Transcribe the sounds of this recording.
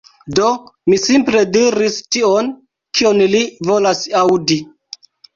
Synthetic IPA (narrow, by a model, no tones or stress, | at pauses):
do̞misimple̞diɾistion | kionlivolasawdi